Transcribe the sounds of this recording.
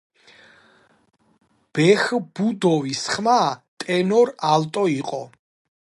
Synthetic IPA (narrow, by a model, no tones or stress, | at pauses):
b̥ɛxb̥ud̪ɔvisχmat̪ʼɛnɔɾalt̪ʼɔiqʼɔ